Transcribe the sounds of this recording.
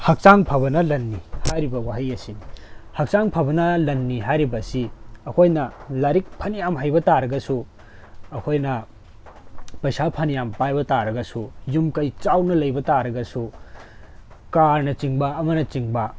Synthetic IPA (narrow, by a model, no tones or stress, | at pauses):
hɐk̚t͡ʃaŋpʰɐβɐnɐlɐnːihajɾibɐwaɦɐjɐsinihɐk̚saŋpʰɐbɐnɐlɐnːiɦajɾibɐsiɐkʰojnɐlaɾik̚pʰɐnijamɦajbɐtaɾɐɡɐsu | ɐkʰojnɐ | pɐjsapʰɐnijampajbɐtaɾɐɡɐsujumkɐjt͡ʃawnɐlɐjbɐtaɾɐɡɐsu | kaɾnɐt͡ʃiŋbɐɐmɐnɐt͡ʃiŋbɐ